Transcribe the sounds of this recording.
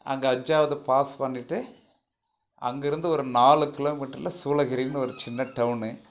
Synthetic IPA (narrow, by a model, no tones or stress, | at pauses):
ɐ̰ŋɡɐːd͡ʒːaːʋɐðɯpaːspɐɳːɪʈːɯ | ɐ̰ŋɡɪɾɯnd̪ɯɔɾɯnaːlɯkɪloːmiːʈːɐɾɪlɐsuːlɐɣɪɾinɯɔɾɯt͡ʃɪnːɐʈɐʋʊnɯ